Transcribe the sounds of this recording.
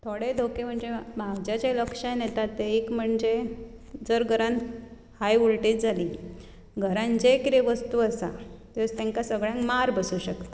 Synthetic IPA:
t̪ʰoɽed̪ʱokem̤əɳd͡zemaɡd͡ʑat͡ɕeləkʂanet̪at̪ːeikm̤əɳd͡ze | d͡zəɾɡʱəɾãn | hajuɭʈit̪̚d͡zʱali | ɡʱəɾãnd͡ʑekiɾeʋəst̪uəsa̰t̪est̪ẽŋkasəɡɭjãŋkmaɾbəsuɕəkt̪a

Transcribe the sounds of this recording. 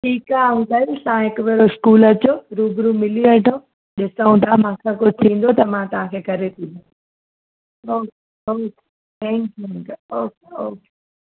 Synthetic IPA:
ʈʰiːkaːũːd̪aːsããɦɪkʊʋeɾoɪʃkuːlɐt͡ɕoɾuːbɾumɪliʋɐʈʰõː | ɗɪsəũnt̪amãːkʰakʊd͡ʑʱt̪ʰĩːn̆d̪ot̪ɐmãt̪ɐʋ̤ãkʰekɐɾet̪ʰĩːd̪õ | oːke | oːke̥ | t̪ɛ̃ŋk̚ɛ̃ŋkoːkeoːke̥

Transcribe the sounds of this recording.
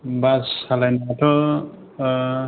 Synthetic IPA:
basalajnaatʰɔ

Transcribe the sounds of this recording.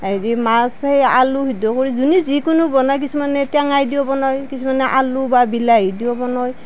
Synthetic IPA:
adimasheja̰luɦidɔkoɹizunizikunubɔnɔjk̬isumanɛtjaŋajdiɔbɔnɔjkisʰumanɛʔalubabilaidiɔbɔnɔj

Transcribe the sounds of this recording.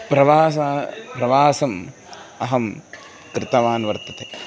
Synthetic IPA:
pɾɐʋaːsapɾɐʋaːsɐm | ɐɦɐm | kɾɪt̪ɐʋaːnʋɐɾt̪ɐt̪eː

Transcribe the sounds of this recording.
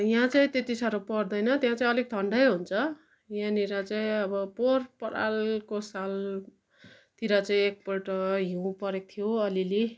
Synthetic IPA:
jãt͡saĩt̪et̪isʌɾopʌrd̪ʌjnʌt̪jãt͡saĩʌlek̚t̪ʌɳɖʌjɦunt͡sʰʌ | jãniɾat͡saĩʌbʌporpʌɽa̰lkosal | t̪iɾʌt͡saĩek̚pʌʈʌɦiũpʌɾek̚t̪ʰijoʌlile

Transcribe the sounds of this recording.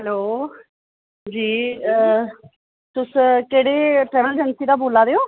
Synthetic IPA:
ɦɛloː | d͡ʒiː | t̪ʊskeːɽeːʈɾɛːʋəld͡ʒənsiːd̪aːboːlaːɾeːoː

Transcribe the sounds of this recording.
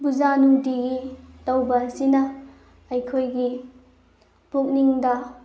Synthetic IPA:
buzanudiɡitɐwbɐsinɐ | ɐjkʰojɡi | puk̚niŋdɐ

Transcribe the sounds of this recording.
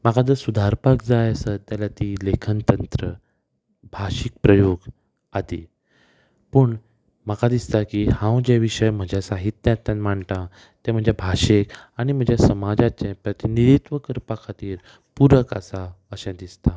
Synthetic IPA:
m̤akʰad͡z̪əsud̪ʱaɾpakd͡zajəsət̪ːjalat̪ilekʰənt̪ənt̪ɾə | bʱaɕik̚pɾəjoɡ | at̪i | pəɳ | m̤əkʰad̪ist̪akihãwd͡ʑeʋiʂəjm̤əd͡ʑʱasaɦit̪jãt̪ːjãnm̤aɳt̪ã | t̪ɛ̃m̤əɳd͡ʑjabʱaɕekaɽ̃im̤əd͡ʑjasəmad͡zat͡ɕẽpɾət̪iniɾit̪ʋəkəɾpakʰat̪iːɾ | puɾəka̰sa | əɕãd̪ist̪a

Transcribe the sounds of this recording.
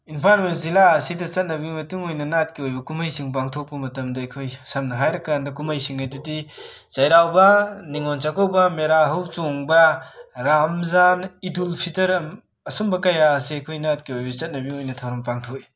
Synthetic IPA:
inpʰaɾmenzilaɐsidɐt͡ʃɐt̚nɐbimɐtuŋojnɐnat̚kiojbɐkumɐjsiŋp̬aŋtʰok̚bɐmɐtɐmdɐːjkʰojsɐmnɐɦajɾɐkandɐkumajsiŋajdɐdi | t͡ʃɐjɾawbɐniŋont͡ʃakɐwbɐmeɾaɦɐwt͡ʃoŋbɐɾamzanidulpʰitɐɾɐm | ɐsombɐkɐjaɐsiɐjkʰojnat̚kiojbɐt͡ʃɐt̚nɐbiojnɐtʰawɾɐmpaŋtʰoki

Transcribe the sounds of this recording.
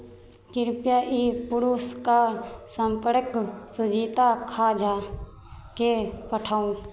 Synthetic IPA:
kɪɾpjaʔipʊɾuskasə̃mpəɽəksʊd͡ʒiːt̪akʰad͡ʒaː | kepəʈʰaːũ

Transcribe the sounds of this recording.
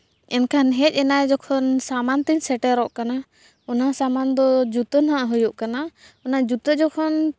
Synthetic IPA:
ɛnkʰanɦɛc̚ˀɛnajd͡ʒɔkʰɔnsamant̪iɲsɛʈɛɾɔʔkana | ɔnasamand̪ɔd͡ʒut̪ənɦaʔaɦɔjɔʔkana | ɔnad͡ʒut̪əd͡ʒɔkʰɔn

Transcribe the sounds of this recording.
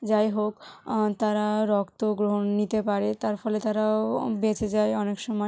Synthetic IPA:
d͡ʑajɦokt̪aɾaɾɔkt̪oɡɾoɦonːit̪epaɾet̪aɾfɔlet̪aɾabet͡ɕʰed͡ʑaeɔnekʃɔmɔ

